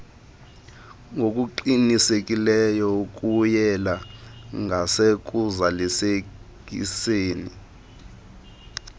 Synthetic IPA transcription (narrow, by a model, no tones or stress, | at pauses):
ŋok̬ʼuǃinisekʼilɛjɔuk̬ʼujɛlaŋasek̬uzalisekʼḭseːni